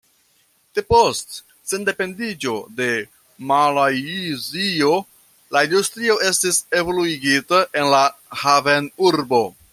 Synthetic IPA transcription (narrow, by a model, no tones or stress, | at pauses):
d̥e̞po̞st | se̞nde̞pe̞ndid͡ʒo̞de̞ | malajzio̞ | laindustɾio̞ʔe̞stise̞vo̞luiɡitaʔe̞nlahavenuɾbo̞